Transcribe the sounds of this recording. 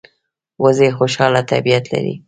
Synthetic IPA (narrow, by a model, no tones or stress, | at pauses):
wʔəzexoʃɑlat̪a̰bijat̪la̰ɾḭ